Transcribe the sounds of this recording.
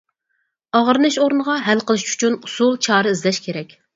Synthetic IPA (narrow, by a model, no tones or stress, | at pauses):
ɑʁəɾɨnɨʃoɾnʁɑɦɛlqəlˠɨʃy̥t͡ʃʰynusulˠt͡ʃʰɑːɾɨizlɛʃkʲʰeɾɛkʲ